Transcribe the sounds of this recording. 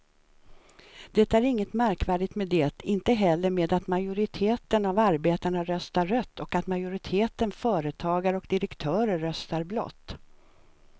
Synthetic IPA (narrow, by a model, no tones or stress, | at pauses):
d̪̥ɛt̪æɾɪŋːət̪mæɾkvæːɖɪt̪meːd̪ɛːt̪ɪnt̪əɦɛlːəɾmeːd̪at̪majʊɾɪt̪ʰeːt̪ənavaɾbeːt̪aɳaɾœst̪aɾœt̪ːɔkat̪majʊɾɪt̪ʰeːt̪ənfœːɾət̪ʰɑːɡaɾəɔkd̪ɪɾɛkt̪ʰœːɾəːœst̪aɾblɔ̰t̪ː